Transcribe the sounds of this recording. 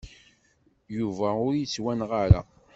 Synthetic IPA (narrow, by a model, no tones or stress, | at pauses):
juvæʊɾjət͡sːwænʁaɾa̰